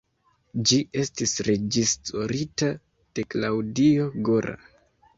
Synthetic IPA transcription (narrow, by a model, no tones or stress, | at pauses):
d͡ʒiʔe̞stisɾe̞d͡ʒistoɾita | d̥eklawdio̞ɡoɾa̰